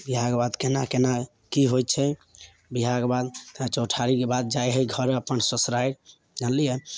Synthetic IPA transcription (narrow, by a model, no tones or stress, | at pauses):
biɦaɡbad̪kenakena | kiɦojt̪t͡ʃʰɛ | biɦaɡbad̪t͡ʃoʈʰaɾikebad̪̚d͡ʒajɦəɡʱʌɾəpənsəsɾaj | d͡ʒanlijɛ